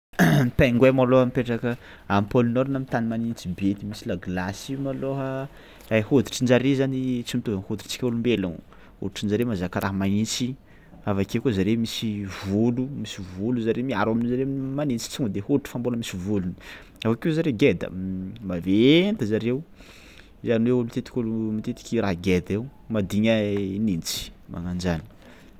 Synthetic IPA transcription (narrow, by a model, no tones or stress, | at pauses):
p̪aŋɡwemaloɦamipeʈ͡ʂakə | ampolunoɾunamint̪animanint͡sibet̪imisilaɡlasiumaloɦə | ajhod̪i̥ʈ͡ʂind͡ʒaɾezanit͡simit̪ozanhod̪i̥ʈ͡ʂt͡si̥kʲaulumbelaŋu | hṵʈ͡ʂind͡ʒaɾemazakaɾʔaɦəmanit͡si | avakekuzaɾemisivulumisivuluzaɾemiaɾaminzaɾemanint͡si̥t͡suŋd̪ehoʈ͡ʂu̥famboləmisivuluni | avakezaɾeɡed̪ə̰mavent̪əzaɾew | zaniweulut̪et̪i̥kʲulumit̪et̪i̥kʲiɾaɦɡed̪ewmad̪iɲənint͡si̥mʔa̰ŋand͡ʒani̥